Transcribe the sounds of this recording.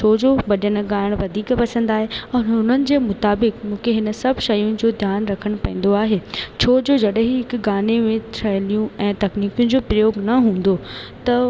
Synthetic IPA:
t͡ɕʰoːd͡ʑoʋɐɗəñ̆ɡaːɪɽ̃ʋɐd̪ʱiːkpɐsə̃nd̪aːɦeɐːnɦʊn̤ənɪ̆d͡ʑeːmʊt̪aːbɪkmũːkʰeɦɪnə̆sɐbʱʃɐjʊnɪ̆d͡ʑoːd̪ʱjaːnɾɐkʰəɽ̃pɐ̃ːn̆d̪oaːɦeːt͡ɕʰoːd͡ʑoːd͡ʑɐɗɦiɦɪkɡaːnemẽt̪ʰɾʰɐɦlijũɛ̃ːt̪ɐkniːkjʊ̃nɪ̆d͡ʑoːpɾɐjoːɡnɐɦũːn̆d̪o | t̪ɐ

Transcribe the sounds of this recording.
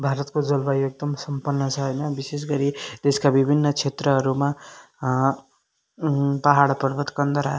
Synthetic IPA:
bʱaɾʌt̪kod͡zʌlbajek̚d̪ʌmsʌmpʌnːʌt͡sʰʌɦʌjnʌbisesɡʌɾid̪̥eskabibʱinːʌt͡sʰet̪rʌɦʌɾuma | pʌɦaɽpʌɾbʱʌt̪kʌnd̪ʌɾa

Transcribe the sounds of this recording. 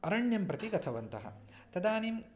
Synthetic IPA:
ɐɾɐɳjɐmpɾɐt̪iɡɐt̪ʰɐʋɐnt̪ɐɦɐ̰ | t̪ɐd̪aːnim

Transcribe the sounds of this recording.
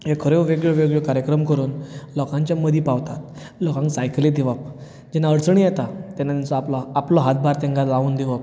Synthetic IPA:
ɦekʰəɾeʋeɡɭeʋeɡɭekaɾjəkɾəmkəɾuːnlɔkãɲt͡ɕjaməd̪ʱiːpaʋt̪at̪̚ | lɔkãŋksajkled̪eʋap̚ | d͡ʑɛnaəɽt͡səɳ̃ijɛt̪at̪ɛnːat̪ɛnt͡sɔalɔaplɔɦat̪̚bʱaɾt̪ɛ̃ŋɡalauːnd̪eʋəp̚

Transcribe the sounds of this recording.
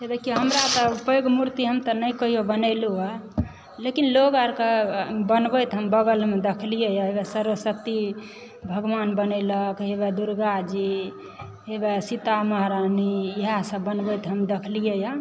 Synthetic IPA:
t̪ed̪ekʰijoɦəmɾat̪ɔpəɡmuɾt̪iɦəmt̪ənəjkəɦijobənəɪlua | lekinloɡaɾkebənbəjt̪ɦəmbəɡəlmed̪ekʰlijejaɦebɛsəɾəsək̚t̪i | bʱəɡʋanbənɛləkɦeβɛd̪uɾɡad͡ʒi | ɦebesit̪aməɦɾaniiɦasə̃bənbət̪ɦəmd̪ekʰlijeja

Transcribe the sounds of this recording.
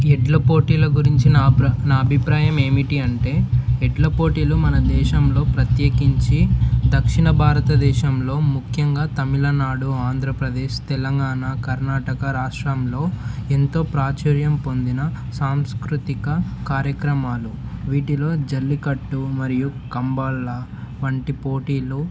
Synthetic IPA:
ɛɖlɐpoːʈiːlɐɡuɾiɲt͡ʃinnaːɐbʱipɾaːjɐme̞ːmiʈiɐɳʈe̞ːɛɖlɐpo̞ːʈiːlumɐnɐd̪ɛːʃɐmlo̞ːpɾɐt̪jeːkiɲt͡ʃid̪ɐkʂiɳɐbʱaːɾɐt̪ɐd̪ɛːʃɐmlo̞ːmukʰjɐŋɡaːt̪ɐmilɐnaːɽuaːnd̪ʱɾɐpɾɐd̪eːʃt̪ɛlɐŋɡaːnakɐɾnaːʈɐkɐɾaːʂʈɾɐmlo̞ːent̪o̞ːpɾaːt͡ʃɐɾjɐmpo̞nd̪inɐsaːmskɾut̪ikɐkaːɾjɐkɾɐmaːlu | ʋiːʈilo̞ːd͡ʒɐlːikɐʈːumɐɾijukɐmbɐːlːɐʋɐɳʈipo̞ːʈiːlu

